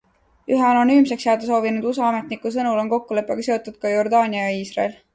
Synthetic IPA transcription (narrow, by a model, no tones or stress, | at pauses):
yɦeɑno̞nyːmse̞ksjɑːd̪̥es̬o̞ːvinud̪̥usɑɑme̞t̪ˑnikːˑus̬ɤnulo̞nko̞kːule̞pːˑeɡɑse̞o̞t̪ːˑud̪̥̚kɑjo̞rd̪ɑːnʲiɑjɑiːsrɑl